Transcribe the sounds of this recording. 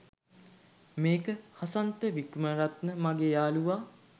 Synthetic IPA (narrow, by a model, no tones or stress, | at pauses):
meːkəhasant̪əʋikməɾat̪nəmaɡeːjaːluʋaː